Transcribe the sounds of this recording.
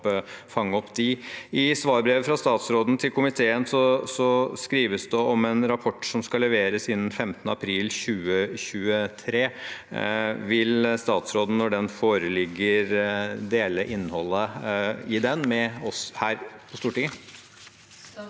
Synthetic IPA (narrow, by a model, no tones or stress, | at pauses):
fɑŋːɔpd̪ɪɪsʋɑːɾbɾeːʋəfɾɑst̪ɑːt̪sɾoːd̪n̩t̪ʰɪlkʰʊmɪt̪ʰeːənsɔsɔskɾiːʋəsd̪ɛɔmɛnɾɑpʰɔʈːʂɔmskɑlɛʋeːɾəsɪnn̩fɛmt̪ənəɑpʰɾiːlɕʉːəɕʉːət̪ʰɾeː | ʋɪlst̪ɑːt̪sɾoːd̪n̩nːɔɖɛnfoːɾəlɪɡːəɾd̪eːləʔɪnːhɔlːəɪd̪ɛnmɛɔshæːɾpʰɔst̪uːʈɪŋə